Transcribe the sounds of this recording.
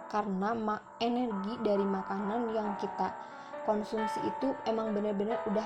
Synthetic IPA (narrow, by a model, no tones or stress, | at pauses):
karənama | enɛrɡidaɾimakananjaŋkit̪a | kɔnsumsiit̪uemaŋbənərbənəruda